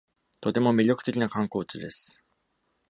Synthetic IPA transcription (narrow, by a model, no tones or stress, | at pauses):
t̪o̞t̪e̞mo̞mʲiɾʲo̞kɯ̟̥e̞kʲinakãŋko̞ːt͡ɕɨd̪e̞sɨ̥